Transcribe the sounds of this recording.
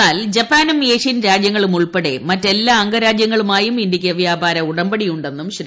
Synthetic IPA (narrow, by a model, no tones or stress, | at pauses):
aːld͡ʑɐpːaːnumeːʂinɾaːd͡ʑjɐŋːɐɭumuɭpɐɽḛmɐtːe̞lːaːɐŋɡɐɾaːd͡ʑjɐŋːɐɭumaːjumind̪ikʲːɐʋjaːbʱaːɾɐuɽɐmbɐɽijuɳɖe̞nːumɕɾi